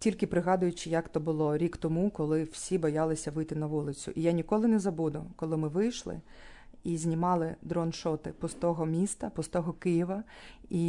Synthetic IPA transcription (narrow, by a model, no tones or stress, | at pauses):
tʲilʲkɪpɾɪɦɑd̪ʊjʊt͡ʃɪjakt̪ɔbʊlˠɔɾʲikt̪ɔmukɔlˠɪw̥sʲibɔjɑlˠɪsʲɐʋɪjt̪ɪnɐʋulˠɪt͡sʲʊ̰ʔijanʲikɔlˠɪnɛzɐbud̪ʊkɔlˠɪmɪʋɪjʃlˠɪ̰ | izʲnʲimɑlˠɪd̪ɾɔnʃɔt̪ɪpɔst̪ɔɦɔmʲist̪ɐpɔst̪ɔɦɔkɪjiʋɐi